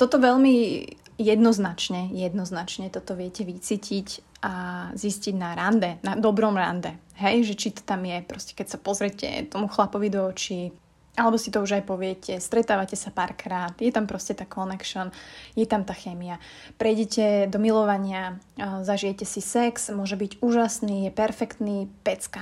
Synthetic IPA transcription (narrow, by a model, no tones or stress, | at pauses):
t̪ɔt̪ɔʋɛʎmijɛd̪nɔznat͡ʃɲɛjɛd̪nɔznat͡ʃɲɛt̪ɔt̪ɔʋɪɛcɛʋit͡siːcʰicʔazisciɟnaɾand̪ɛnad̪ɔbɾɔmɾa̰nd̪ɛɦɛjʒɛt͡ʃit̪ɔ̥t̪amjɛpɾɔscɛ̥kɛcsapɔzɾɛcɛ̰t̪ɔmuxlapɔʋid̪ɔːt͡ʃi | ʔalɛbɔsit̪ɔuʒajpɔʋɪɛcʰɛst̪ɾɛt̪aːʋacɛsapaːɾkɾaːt̪jɛt̪ampɾɔscɛt̪aːkɔnɛkʃɔnjɛt̪amt̪aːxɛːmia | pɾɛjɟɛcɛd̪ɔmilɔʋaɲɪazaʒijɛcɛsisɛksmʊɔʒɛbiɟuːʒasnijɛpɛɾfɛkt̪nipɛt͡ska